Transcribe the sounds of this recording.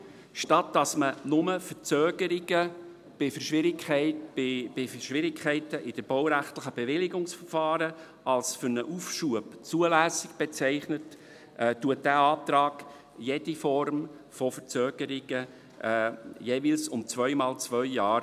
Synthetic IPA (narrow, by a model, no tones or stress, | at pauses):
ʃtɑt̚d̥ɑsmənʊməfəɾt͡søːɡəɾɪɡə | b̥ɪfəɾʃʋɪɾɪkɛɪ̥ɪbɪfəʃʋɪɾɪkʰχɛɪtəʔɪd̥əb̥ɔwɾæχtləχəb̥eʋɪlɪɡʊŋsfəɾfɑːɾə | ɑlsfʏɾnəʔufʃuəbt͡suəlæːsɪɡ̥b̥et͡sɛɪχnət | ʔɛːtuət̚dæːɑːt̪ɾɑːɡ̥ | jed̥ifɔɾm | fɔfəɾt͡søːɡ̥əɾɪɡ̥ə | jeːviːlsʊmt͡svœʏmɑːlt͡svœʏjɑːɾ